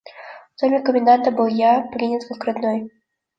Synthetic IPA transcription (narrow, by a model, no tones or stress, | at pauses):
wt̪ɔmʲɛkəmʲɛnd̪ant̪ɐbɨlˠjaplʲinʲɛt̪kɨkɾɨd̪nɔj